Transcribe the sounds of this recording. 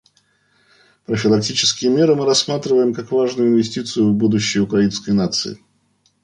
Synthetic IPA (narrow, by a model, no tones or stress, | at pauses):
pɾəfʲɪlˠɐk̚tʲit͡ɕɪ̥skʲɪjəmʲe̞ɾɨmɨɾɐsːmat̪ɾʲɪvəjɪmkakvaʐnʊjʊɪnvʲɪsʲtʲit̪sɨjʊvbud̪ʊɕːɪjʊkɾɐinskəjnat̪sɨ̰ɪ̰